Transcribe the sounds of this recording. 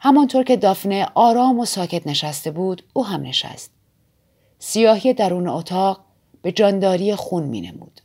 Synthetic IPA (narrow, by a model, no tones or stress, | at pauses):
hæmɒnt̪ʰoɾcʰe̞d̪ɒfne̞ʔɒːɾɒːmo̞sɒːcʰe̞t̪neʃæst̪e̞buːd̪̥uːɦæmne̞ʃæ̰st̪ | sijɒːhije̞d̪æɾuːneot̪ʰɒːʁ | b̥e̞d͡ʒɒːnd̪ɒːɾijexunmḭːnḛmṵːd̪̥